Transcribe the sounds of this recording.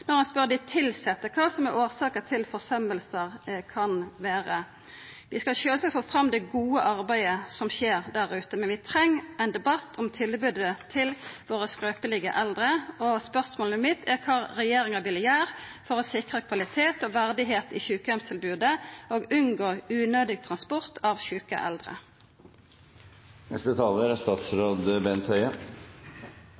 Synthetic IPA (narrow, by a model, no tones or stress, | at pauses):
nɔɾhɑnspœʁd̪ɪt̪ʰɪlsɛt̪ːəkʰɑːsɔmɛɾoːʁsɑːkət̪ʰɪlfɔsœməlsəʁkʰɑnʋeːɾə | ʋɪskɑlʃøːlsɑfoːfʁɑmːd̪ɛɡuːəʔɑɾbæɪəsɔmɕeːʁd̪æɾʉːt̪əmɛnʋɪt̪ʰɾɛŋːɛɪnd̪ɛbɑt̪ʰːɔmt̪ʰɪlbʉːd̪ət̪ʰɪlʋoːɾəskɾøːpəlɪɡə̰ʔɛld̪ɾəoːspœʁsmoːləmɪt̪ʰækʰɑːʁɛjeːʁɪŋɑʋɪljæːʁfɔʁoːsɪkʁəkʰʋɑlɪt̪ʰeːt̪oːʋæʁd̪ɪɦeːt̪ḭːçʉːkəɔmst̪ʰɪlbʉːd̪əoːɡʉnɡoːʉːnøːd̪ɪɡ̚t̪ʰʁɑnspɔʁt̪ʰɑʋçʉːkə̰ʔɛ̰ld̪ʁə̰ | nɛ̰st̪ət̪ʰɑːləɾæst̪ɑːt̪sɾoːd̪əbɛnt̪ʰœʏə